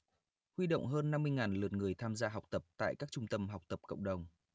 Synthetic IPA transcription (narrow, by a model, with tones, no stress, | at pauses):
hwi˧ɗo̰˧˨wŋ͡mɦəː˧nːa˧mːɨ˧əjŋaː˨˩nlɨ˨˩ət̚ŋɨ˨˩əjt̪ʰaː˧mzaː˧ɦa˨˩wk͡p̚t̪ə˨˩p̚t̪a̰ː˧˨jkaː˦˥k̚t͡ɕʊ˧ŋ͡mt̪ə˧mɦa˨˩wk͡p̚t̪ə˨˩p̚kə̰˧˨wŋ͡mɗə˨˩wŋ͡m